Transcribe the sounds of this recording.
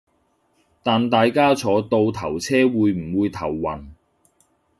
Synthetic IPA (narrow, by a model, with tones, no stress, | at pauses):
t̪aː˨nt̪aː˨jkaː˥t͡sʰɔː˨˥t̪o˧wt̪ʰɐ˨˩wt͡sʰɛː˥wuː˨˧jm̩˨˩wuː˨˧jt̪ʰɐ˨˩wːɐ˨˩n